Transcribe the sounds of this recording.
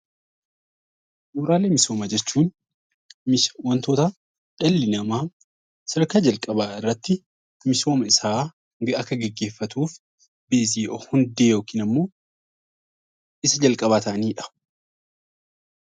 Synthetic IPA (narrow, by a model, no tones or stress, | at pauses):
joːɾaːleːmɪso̞ːmɐd͡ʒɛt͡ʃːuːn | mɪwɐnt̪oːt̪ɐ | ᶑ̥ɐlːɪnɐmaː | sɐɾkaːd͡ʒɐlkʼɐbaːɪrːɐt̪ːɪ | mɪso̞ːmɐɪsaː | ɡɐɐkːɐɡɛɡːe̞ːfːɐt̪uːf | beːziːʔɔhʊnd̪eːjo̞ːkiːnɐmːo̞ː | ɪsɐd͡ʒɐlkʼɐβaːt̪ɐʔɐniːᶑɐ̥